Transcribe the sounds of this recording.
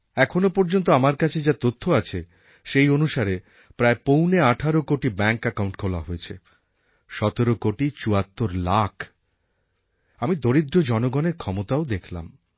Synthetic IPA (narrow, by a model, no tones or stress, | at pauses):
ɛkʰonopɔɾd͡ʑont̪oamaɾkat͡ɕʰed͡ʑat̪ot̪ʰːoat͡ɕʰe | ʃejonuʃaɾe | pɾaepowneaʈʰaɾokoʈibɛŋkɛkawɳʈ̚kʰola̰ɦojet͡ɕʰe | ʃɔt̪eɾokoʈit͡ɕuat̪ːoɾlakʰ | amid̪oɾid̪ɾod͡ʑɔnoɡɔneɾkʰɔmot̪aod̪ekʰla̰m